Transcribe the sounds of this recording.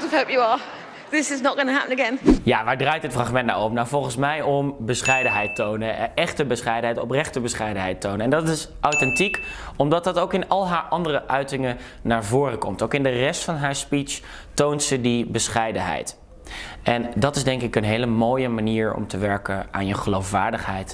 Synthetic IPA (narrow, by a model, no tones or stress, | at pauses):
hoʊpjəə | ðɪsɪznət̚ɡ̥ʌnəɦapə̃nəɡɛ̃njaːʋaːɹdrajtɦətfrɑχmɛntna̰wɔp̚nawvɔlˠχənsmɛjɔmbəsχɛjdənɦɛjtownəɛχtəbəsχɛjdənɦɛjtɔ̰prɛχtəbəsχɛjdənɦɛjtownəɛndɑtɪsʔɔwtɛntikɔmdɑt̚dɑtowkɪnɑlˠɦaːɹʔɑndərəʔœɥtɪŋə | naːɹvʊːrəkɔmtowkɪndərɛstfɑnɦaːɹspit͡ʃ | towntsədibəsχɛjdənɦɛ̰jt | ɛndɑtɪzdɛŋkɪkənɦejləmoːjəmaniːɹɔ̰mtəʋɛɹkəʔa̰ːnjəχəlowfʋaːɹdəχɦɛjt